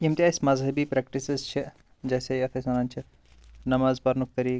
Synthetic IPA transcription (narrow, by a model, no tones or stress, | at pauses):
jimt̪jaːɪsmɐzɦɐbiːpɾɛk̚ʈisɪzt͡ʃʰi | d͡ʒɛːseɐfʰesɐɾant͡ʃʰi | nɐmaːzpɐɾnuk̚t̪ɐɾiː